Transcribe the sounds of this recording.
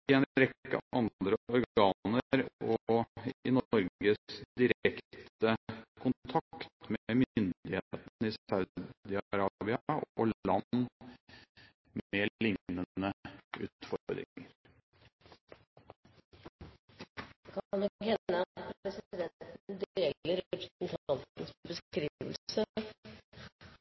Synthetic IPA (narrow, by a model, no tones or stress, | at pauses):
ɪɛnɾɛkːə̰ʔɑnd̪ɾəɔɾɡɡɑːnəɾɔɔɪnɔɾɡɡəsd̪ɪɾɛkt̪əkʰʊnt̪ʰɑkt̪mmʏnd̪d̪ɪheːt̪nəɪsɑʉd̪ɪɑɾɑbɪɑʔɔlɑn | melɪŋnəəʉ̰ːt̪fɔd̪ɾɪ̰ŋəɾ | kʰɑɑnkhɛːəɑt̪pʰɾɾɛsɪɪd̪ɛnt̪n̩n̩d̪eəɾpɾəsnt̪ʰɑnt̪nəsbəskɾiʋəlsə